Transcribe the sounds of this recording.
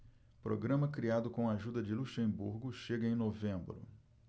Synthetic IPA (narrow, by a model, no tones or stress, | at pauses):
pɾo̰ɡɾɐ̃mɐkɾiad̪ʊkõw̃aʒud̪ɐd͡ʒɪluʃẽbṵɾɡʊʃeɡɐẽj̃novẽmbɾʊ̰